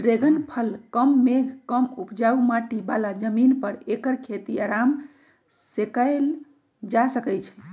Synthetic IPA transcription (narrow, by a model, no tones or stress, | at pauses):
ɾeɡənpʰəlkəmːeɡʱkəmupd͡ʒaumaʈibalad͡ʒəminpəɾekəɾkʰet̪iaɾam | sekəel | d͡ʒasəkəjt͡ʃʰɛ̥